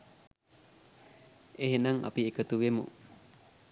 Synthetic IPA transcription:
eɦenaŋʔa̰piekət̪uwemṵ

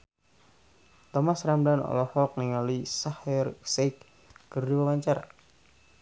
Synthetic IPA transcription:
t̪ɔmasramlanɔ̰lɔhɔk̚niŋalisahɛrsek | kərduwawaɲt͡ʃaɾa̰

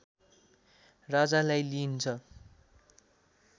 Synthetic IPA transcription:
rad͡zalajlint͡sʰʌ

